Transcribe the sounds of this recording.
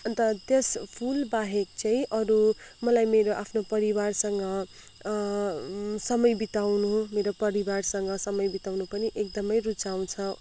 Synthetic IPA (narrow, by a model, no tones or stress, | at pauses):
t̪ʌt̪espʰulbaɦekt͡saĩʔʌɾu | mʌlajmeɾoʔapʰnopʌɾibarsʌŋɡʌ | sʌmʌjbit̪awnumeɾopʌɾibarsʌŋɡʌsʌmʌjbit̪awnupʌniʔek̚d̪ʌmʌjrut͡saw̃t͡sʰʌ